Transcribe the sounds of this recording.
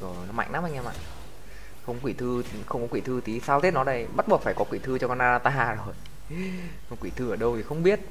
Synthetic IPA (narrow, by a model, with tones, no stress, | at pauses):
əː˨˩nɔ˨˦ma̰˧˨ŋ̟naː˨˦mʔŋaː˧ma̰ː˧˨ | xə˧wŋ͡mkwi˧˩t̪ʰɨ˧ | xə˧wŋ͡mkɔ˨˦kwi˧˩t̪ʰɨ˧t̪i˨˦saː˧wt̪ʰe˦˥t̚nɔ˨˦ɗə˧˩jɓa˦˥t̚ɓu˨˩ək̚faː˧˩jkɔ˨˦kwi˧˩t̪ʰɨ˧t͡ɕɔ˧kɔ˧nʔaː˧zaː˧t̪aː˧ɦaː˨˩zo˨˩j | kwi˧˩t̪ʰɨ˧əː˧˩ɗə˧wt̪ʰi˨˩xə˧wŋ͡mɓi˦˥ət̚